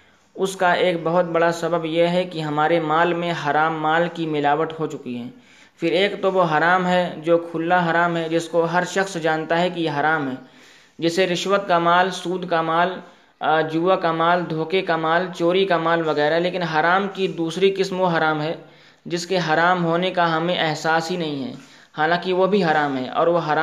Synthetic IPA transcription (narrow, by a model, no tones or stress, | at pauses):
ʊskaʔeːk̚bɐɦʊt̪̚bɐɽasɐbəbjeɦɛkiɦɐmaːɾemaːlmẽɦaɾaːmːaːlkimɪlaːʋət̪ɦot͡ʃʊkiɦɛ̃ː | fɪɾeːkt̪oʋoɦaɾaːmɦɛd͡ʒoːkʰʊlːaɦaɾaːmɦɛd͡ʒɪskoɦɐɾʃɐxsd͡ʒaːnt̪aɦɛkijeɦaːɾaːmɦɛː | d͡ʒɪseɾɪʃwət̪̚kamaːlsuːd̪ʱkamaːl | d͡ʒuːʋakamaːld̪ʱoːkekamaːlt͡ʃoːɾikamaːlʋɐɣɛːɾaɦɛleːkɪnɦaɾaːmkid̪uːsɾikɪsmoɦaɾaːmɦɛː | d͡ʒɪskeɦaɾaːmɦoːnekaɦɐmẽʔɛɦsaːsɦinɐɦĩɦɛ̰ː | haːlãːkiʋobʱiɦaɾaːmɦɛːʔɔ̰ːɾʋoɦaɾaː